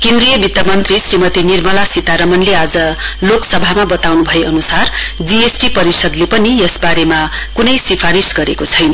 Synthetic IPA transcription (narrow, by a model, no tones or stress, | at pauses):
kẽnd̪rijʌbit̪ːʌmʌnt̪risrimʌt̪inirmʌlasit̪aɾʌmʌnlead͡zʌloksʌbʱamabʌt̪awnubʱʌjeʌnusard͡ziesʈipʌɾisʌd̪lepʌnijʌsbaɾema | kunʌjsipʰaɾisɡʌɾekot͡sʰʌjn